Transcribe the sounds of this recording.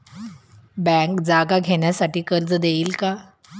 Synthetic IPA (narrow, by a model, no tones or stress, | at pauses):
bɛ̃kd͡zaɡaɡʱeɳjasaʈiːkəɾd͡zd̪eiːlka